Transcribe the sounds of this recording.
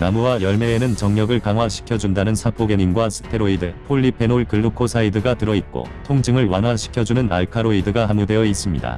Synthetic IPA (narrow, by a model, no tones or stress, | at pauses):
namuwajʌɭme̞ːnɯnt͡ɕʌŋɲʌɡɯɭkaŋɦwaɕʰi̥kʰjʌd͡ʑundanɯnsʰak͈ʰoɡeɲinɡwasʰɯ̥tʰe̞ɾoidɯpʰoʎːipʰe̞noɭkɯɭːukʰosʰaidɯɡatɯɾʌit̚k͈o̰tʰoŋd͡ʑɯŋɯɭwanɦwaɕʰi̥kʰjʌd͡ʑunɯna̰ɭkʰaɾoidɯɡaɦamude̞ʌis͈ɯmɲḭda̰